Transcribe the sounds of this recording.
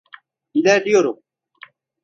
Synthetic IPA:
ilæɾd̪ijoɾum

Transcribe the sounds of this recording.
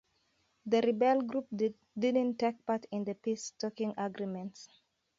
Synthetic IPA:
ðəɹibɛlɡɹup̚ | dɪdə̃ntːek̚patʰĩnd̪əpistɔkĩŋaɡɹimɛ̃nts

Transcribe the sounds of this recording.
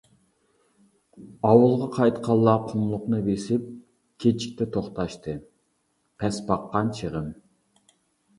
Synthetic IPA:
ɑwɨlˠʁɑqʰɑjt̪qʰɑlˠːɑqʰʊmlˠʊqnɨbesɪp̚ | kʲʰet͡ʃʰi̥kʲt̪ʰɛt̪ʰoχt̪ɑʃt̪ʰɨ | pʰɛsbɑqːɑnt͡ʃʰəʁəm

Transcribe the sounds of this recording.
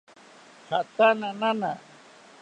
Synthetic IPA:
sat̪ananana

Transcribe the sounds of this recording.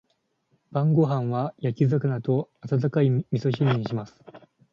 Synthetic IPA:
b̥ãŋɡo̞ɦãɰ̃βajakʲizakɯnat̪o̞at̪at̪̬akaimʲiso̞ɕ̬iɲʲĩɕimasɨ̥

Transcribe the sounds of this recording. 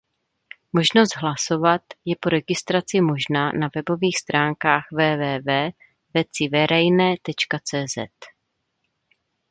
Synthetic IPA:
mo̞ʒno̞st̪ɦlaso̞vat̪jɛpo̞ɾɛɡɪst̪ɾat͡sɪmo̞ʒnaːnavɛbo̞viːxst̪ɾaːŋkaːxvɛːvɛːvɛː | vɛt͡sɪvɛɾɛjnɛːt̪ɛt͡ʃkat͡sɛːzɛ̰t̪

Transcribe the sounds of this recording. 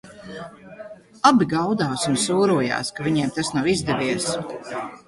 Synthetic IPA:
abiɡawd̪aːsunsuːɾuɔja̰ːskavʲiɲɛɛmt̪asnawizd̪ɛvʲiɛs

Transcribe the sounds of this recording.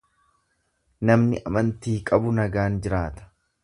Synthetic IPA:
nɐmnɪʔɐmɐnt̪iːkʼɐbʊnɐɡaːnd͡ʒɪɾaːt̪ɐ̥

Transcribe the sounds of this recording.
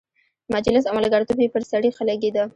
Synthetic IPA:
mad͡ʒlɪsawmalaɡɑɾt̪upepəɾsaɽixəlaɡed̪ə

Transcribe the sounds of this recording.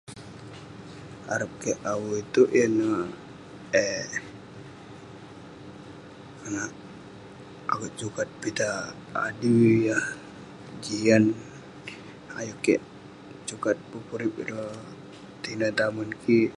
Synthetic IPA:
a̰ɾəp̚kɛʔawuit̪uʔjəna | ɛ | kanaʔ | a̰ɡəʔt͡ʃukat̪̚pit̪a̰ː | diwjah | d͡ʒian | a̰jukɛʔ | t͡ʃukat̪̚pəpuɾip̚iɾə | t̪inat̪amankʰi

